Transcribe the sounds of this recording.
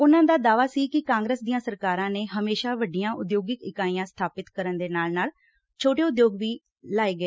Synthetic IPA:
ʊnãːd̪aːd̪aːʋaːsiːkɪkãːŋɡɾəːsd̪ijãːsəɾkaːɾãːneːɦəmeːʃaːʋəɖijãːʔʊd̪joːɡɪkɪkaːijãːst̪ʰaːpɪt̪kəɾənd̪eːnaːlnaːl | t͡ʃʰoːʈeːʊd̪joːɡʋiː | laːeːɡəeː

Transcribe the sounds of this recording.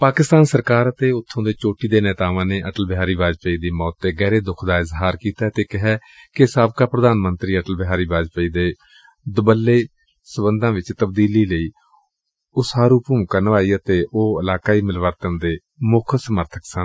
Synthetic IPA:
paːkɪst̪aːnsəɾkaːɾət̪eːʊt̪ʰːõːd̪eːt͡ʃoːʈiːd̪eːnɛːt̪aːʋãːneːʔəʈəlbɪɦaːɾiːbaːd͡ʒpəiːd̪iːmɔːt̪ːeːɡɛːɾeːd̪ʊkʰd̪aːɪzɦaːɾkiːt̪aːt̪eːkɪɦɛːkɪsaːbkaːpɾəd̪aːnmənt̪ɾiːəʈəlbɪɦaːɾiːbaːd͡ʒpəiːd̪eː | d̪ʊbəlːeː | səbənd̪ãːʋɪt͡ʃt̪əb̚d̪iːliːləiː | ʊsaːɾuːpuːmkənʋaːiːət̪eːʔoːɪlaːkaːiːmɪlʋəɾt̪ənd̪eː | mʊkʰsəməɾt̪ʰəksə

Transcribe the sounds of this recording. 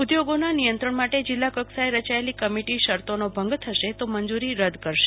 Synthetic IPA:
ud̪joɡonanijə̃nt̪ɾəɳmaʈed͡ʒɪlːakəksaeɾət͡ʃaelikəmiʈiʃəɾt̪onobʱə̃ŋɡt̪ʰəʃet̪oməɲd͡ʒuɾiɾəd̪ʱkəɾʃe

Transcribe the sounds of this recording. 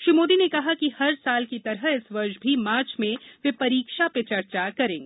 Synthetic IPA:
ʃɾiːmoːd̪inekɐɦakihɐɾsaːlkit̪ɐɾɦəɪsʋɐɾʃbʱimaːɾt͡ʃmẽʋepɐɾiːkʃapet͡ʃɐɾt͡ʃakɐɾẽːŋɡ

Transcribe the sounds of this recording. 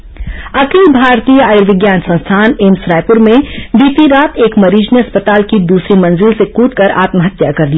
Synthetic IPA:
ɐkilbʱaːɾt̪iːjəaːjɾʋɪɡjaːnsɐ̃nst̪ʰaːneːmsɾaːɪpʊɾmẽbiːt̪iɾaːt̪eːkmɐɾiːd͡ʒniɐspət̪aːlkid̪uːsɾimɐ̃nzɪlsekuːʈkɐɾa̰ːt̪məɦɐt̪jakɐɾli

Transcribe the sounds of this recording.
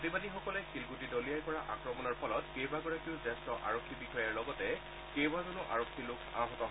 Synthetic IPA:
otibadixɔkɔlɛxilɡutidolijajkɔɹaʔa̰kɹɔmɔnɔɹpʰɔlɔtkejbaɡɔɹakiʊzɛstɔʔa̰ɹɔkʰːibixɔjaɹlɔɡɔtɛ | kejbazɔnʊʔa̰ɹɔkʰːilʊkʰa̰ɦɔtɔɦɔ

